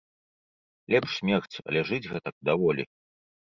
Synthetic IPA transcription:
lʲɛpʂsʲmʲɛxt͡sʲɐ̰lʲɛʐɨd͡zʲɣɛt̪ɐk̚d̪avɔlʲḭ

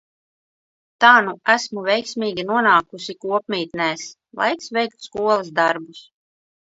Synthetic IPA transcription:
t̪aːnuæsmuvʲɛjksʲmʲiːɡʲinuɔnaːkusikuɔpmʲiːt̪nɛːs | lˠa̰jksvʲɛjk̚t̪skuɔlˠasd̪aɾbus

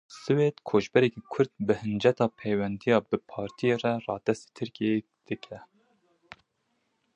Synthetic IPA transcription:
sɨweːd̪kʰoːʒbɛɾɛkiːkʰʊɾd̪̚bɨhɨnd͡ʒɛt̪ɑːpʰejwɛnd̪ijɑːbɨpʰɑːɾt̪ʰijerɛrɑːd̪̥ɛst̪e̥t̪ʰɨɾkie | d̪̥ɨkʰɛ

